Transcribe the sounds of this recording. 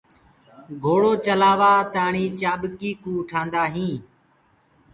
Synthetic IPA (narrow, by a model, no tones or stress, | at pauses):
ɡʱoːɽoːt͡ʃəlaːʋaːt̪aːɳĩːt͡ʃaːɓkiːkũːʈʰãːnd̪aːɦĩː